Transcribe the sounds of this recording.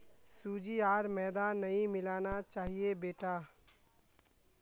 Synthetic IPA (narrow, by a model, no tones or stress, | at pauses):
suːd͡ʒiaːɾmɛːd̪aːnːəɦĩmɪlaːnat͡ʃaːɦiebeːʈa